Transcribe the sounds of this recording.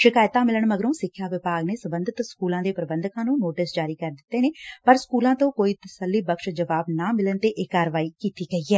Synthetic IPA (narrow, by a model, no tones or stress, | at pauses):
ʃɪkaːjt̪ãːmɪləɳməɡəɾõːsɪkʰːjaːʋɪpaːɡneːsəbənd̪ət̪skuːlãːd̪eːpɾəbə̃nd̪ʱkãːnũːnoːʈɪsd͡ʒaːɾiːkəɾd̪ɪt̪ːeːneːpəɾskuːlãːt̪õːkoːiːt̪əsəlːiːbəkʃd͡ʒəʋaːbnaːmɪlənt̪eːʔeːkːaːɾʋaːiːkiːt̪iːɡəiːɛː